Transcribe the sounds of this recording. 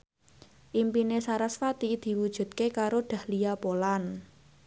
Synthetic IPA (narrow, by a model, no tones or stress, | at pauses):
ʔimpinesaɾasfat̪id̪̥i̤wud̥ʒ̥ṳt̪̚kekaɾoɖ̪̥ä̤hlijapolan